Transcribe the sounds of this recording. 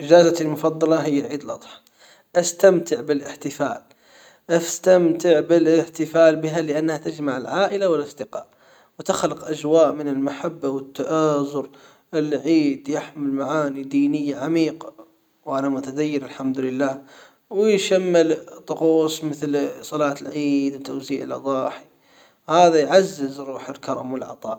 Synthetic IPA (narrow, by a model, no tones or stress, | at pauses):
ʔɪd͡ʒaːzat̪almʊfɑd̪ˤːɑlɑɦɪjːaʕiːd̪lʔɑt̪ˤħɑ̥ | ʔast̪amt̪ɪʕbɪlɪħt̪ɪfa̰ːl | ʔast̪amt̪ɪʕbɪlɪħt̪ɪfaːlbɪɦalɪʔanːhat̪ad͡ʒmaʕɪlʕaːʔɪlawɪlɑsˤd̪ɪqɑ̰ːʔ | wt̪axlɪqʔad͡ʒwaːʔmɪnɪlmaħabːawɪt̪ːaʔaːzʊɾ | ɪlʕiːd̪jɪħmɪlmaʕaːnid̪iːnɪjːaʕamiːqa | wʔanamʊt̪ad̪ajːɪɾɪlħamd̪ʊlɪlːaːh | wɪjʃamːɪlt̪ˤʊquːsˤmɪθlsˤɑlɑːt̪ɪlʕiːd̪wɪt̪ːowziːʕɪ̰lʔɑ̰d̪ˤɑːħi | haːðajʕazːɪzɾuːħɪlkɑɾˤɑmwɪlʕɑ̰t̪ˤɑ̰ːʔ